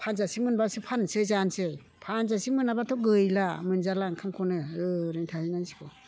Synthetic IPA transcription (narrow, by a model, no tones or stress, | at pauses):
pʰanzasimɯnbasɯpʰansɯzansɯj | pʰanzasimɯnabatʰɔɡɯjlamɯnzalaŋkʰamkʰɔnɯɯɾeŋtʰahinajsi̥kʰɔ